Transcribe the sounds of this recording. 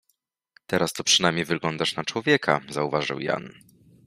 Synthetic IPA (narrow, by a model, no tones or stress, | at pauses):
t̪ɛɾast̪ɔpʂɘnajmɲejvɘɡlɔnd̪aʂnat͡ʂwɔvʲjɛkʰa̰zauvaʐɨ̰wja̰n